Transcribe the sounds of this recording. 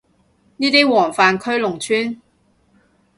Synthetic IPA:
niː˥t̪iː˥wɔː˨˩ŋfaː˨˩nkʰɵ˥ɥlʊ˨˩ŋt͡ʃʰyː˥n

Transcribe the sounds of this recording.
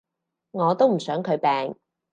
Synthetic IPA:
ŋɔː˨˧t̪o˥wm̩˨˩sœː˨˥ŋkʰɵ˨˧ɥpɛː˨˧ŋ

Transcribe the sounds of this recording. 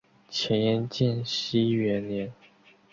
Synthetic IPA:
t͡ɕʰjɛ˧˥njɛ˥˧nt͡ɕjɛ˥˩nɕi˥ɥɛ˧˥nljɛ˧˥n

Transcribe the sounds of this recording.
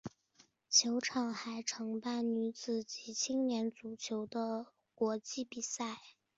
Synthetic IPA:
t͡ɕʰjo˧˥ʊʈ͡ʂʰɑ˨˩ŋxa˧˥ɪʈ͡ʂʰɤ˧˥ŋpa˥˩nny˧˥t͡sɹ̩˨˩t͡ɕi˧˥t͡ɕʰi˥ŋnjɛ˧˥nt͡su˨˩t͡ɕʰjo˧˥ʊd̪ə˧ | kwɔ˧˥t͡ɕi˥˩pi˨˩sa˥˩ɪ

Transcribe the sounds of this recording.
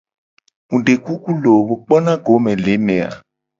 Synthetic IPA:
ŋũ˨ɖe˨ku˦ku˦lo˨wo˨k͡pɔ˦nã˦ɡo˨˦mɛ̃˨le˨˦nɛ̃˨a̰˨

